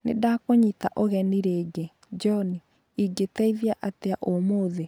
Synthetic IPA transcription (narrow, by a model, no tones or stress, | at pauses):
nḛdakoɲitaʔoɣɛniɾeːɡe | d͡ʒɔni | iɡetɛiðjaʔateaʔomoːðe